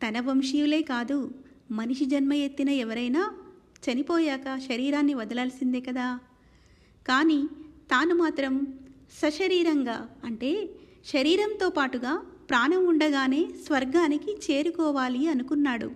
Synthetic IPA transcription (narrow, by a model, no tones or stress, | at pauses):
t̪ɐnɐbɐmʂiʋule̞ːkaːd̪u | mɐniʂid͡ʒɐnmɐje̞t̪ːinɐɛʋɐɾɐjnaː | t͡ʃɐnipɔːjaːkɐʃɐɾiːɾaːnːiʋɐd̪ɐlaːlsind̪ekɐd̪aː | kaːniːt̪aːnumaːt̪ɾɐm | sɐʃɐɾiːɾɐŋɡaːɐɳʈe̞ː | ʃɐɾiːɾɐmnt̪o̞ːpaːʈuɡaːpɾaːnɐmuɳɖɐɡaːne̞ːsʋɐɾɡaːnikit͡ʃe̞ːɾukɔːʋaːliɐnukunːaːɽṵ